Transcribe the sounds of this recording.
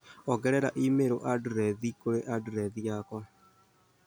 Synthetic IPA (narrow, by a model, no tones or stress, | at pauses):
ɔɡɛɾɛɾa̰ʔimeɾoʔaduɾɛðikoɾeʔadɾɛðiɲakɔ